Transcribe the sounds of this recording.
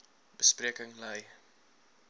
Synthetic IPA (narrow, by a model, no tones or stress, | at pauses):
bəspriəkəŋləj